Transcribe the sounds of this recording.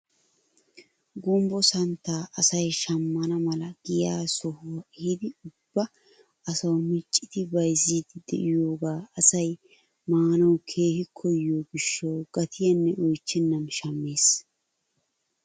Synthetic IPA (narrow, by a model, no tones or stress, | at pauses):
ɡʊmbɔsɐnt̪ːaːʔɐsɐjʃɐmːɐnɐmɐlɐɡ̥ɪjaːsɔhʊwɐhɪd̪ɪʊb̥ːɐ | ɐsɐwmɪt͡ʃʼːɪt̪ɪbɐjziːd̪ɪd̪ɛ̰ʔɪjoːɡaːɐsɐj | maːnɐwkʰe̞ːhɪkʰɔjːoːɡɪʃːɐwɡ̥ɐt̪ʰɪjɐnːɛʔɔjt͡ʃːɪnːɐmʃɐmːeːs